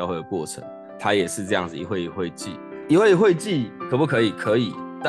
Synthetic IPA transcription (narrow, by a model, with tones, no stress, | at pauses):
xwe˥˩ɪd̪ə˩kwɔ˥˨˩ʈ͡ʂʰə̰˧˦ŋ | t̪ʰa˦jɛ˨˩ʂɻ̩˥˧ʈ͡ʂɤ˥˧jɑ˥˩ŋd͡zɹ̩˨˩ḭ˨˦xwe˥˧ɪ˨˩xwe˥˧ɪt͡ɕḭ˥˩i˧˥we˥˧ɪi˧˩xwe˥˧ɪt͡ɕi˥˩˨kʰə˨˩pu˥˩kʰɤ˧˦i˨˩kʰɤ˨˧˦i˨˩˦t̪a˥